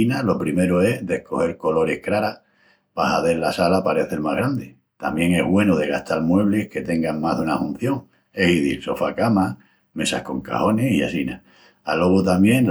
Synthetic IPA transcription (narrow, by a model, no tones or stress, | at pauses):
inalo̞pɾime̞ɾoe̞ɦðe̞hko̞he̞ɾko̞lo̞ɾe̞hkɾaɾa | pahaðe̞ɾlasalapaɾe̞θe̞ɾmaɦɣɾand̪e | t̪amje̞ŋe̞ɦɣwe̞noð̞e̞ɣ̞a̰ht̪almwe̞β̞lehke̞t̪e̞ŋɡaŋmaɦðunahũn̟θjo̞ŋ | e̞hiðḭlso̞fakama | me̞sahko̞ŋka̰ho̞nehia̰sina̰ | a̰lo̞βot̪amje̞ŋ